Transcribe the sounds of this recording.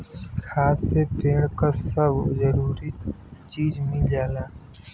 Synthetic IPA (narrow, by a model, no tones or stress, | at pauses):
kʰaːt̪seːpeːɳkəsəbzəɾuːɾiːt͡ʃiːzmĩːd͡ʒaːlaː